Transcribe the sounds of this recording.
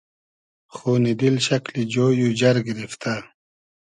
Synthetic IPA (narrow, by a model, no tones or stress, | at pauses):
xuːnid̪ilɕɐklid͡ʑoːjud͡ʑɐɾɡiɾift̪a